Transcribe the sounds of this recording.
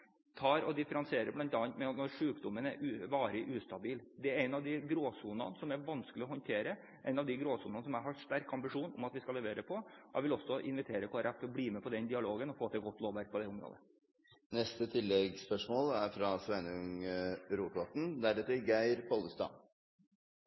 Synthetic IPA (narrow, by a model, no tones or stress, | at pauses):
t̪ʰɑːɾɔd̪ɪfəɾɑnsɪeːɾəblɑnt̪ɑːnt̪mɛɑt̪nɔɾʂʉːkd̪ʊmənæɾʔʉːʋɑːɾəʔʉːst̪ɑbiːld̪ɛæɾɛɪnɑʋd̪ɪɡɾoːsuːnɑ̰nsɔmæʋɑnskəlɪɔhɔnt̪ʰeːɾə | ʔɛɪnɑʋd̪ɪɡɾoːsuːnɑnəsɔmæɪhɑʂt̪æɾkɑmbɪʂuːnɔ̰mɑt̪ʋɪskɑlːɛʋeːɾəpʰɔɔʔæ̰ʋɪlɔsːɔʔɪ̰nʋɪt̪ʰeːɾəkʰoːɾʔɑt̪ʰɔbliːmɛpʰɔd̪ɛnd̪ɪɑloːɡənɔfoːt̪ʰɪlɡɔt̪ːloːʋæɾk̚pʰɔd̪ɛʊmɾo̰ːd̪ə | nɛst̪ət̪ʰɪlːɛɡspœʂmoːlæɾfɾɑsʋɛnəʉŋɾuːt̪ɔʈn̩d̪ɛæɖɛt̪ːɪɡæɪɾpʰɔləst̪ɑ̰